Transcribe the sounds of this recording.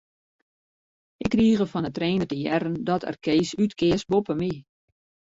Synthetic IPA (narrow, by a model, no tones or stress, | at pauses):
ɪkːriːɣəfɔnətreːnətəjɛɾəndɔtʰɛ̰rkeːsytkɪəsbopəmi